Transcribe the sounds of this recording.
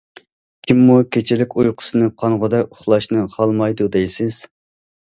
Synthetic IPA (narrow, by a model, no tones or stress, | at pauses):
kʲʰimːukʲʰet͡ʃʰɪlɪkʲujqʰʊ̥sɨnɨqʰɑnʁʊd̪ɛkʊχlˠɑʃnɨχʰɑlˠmɑjd̪ud̪ejsɪz̥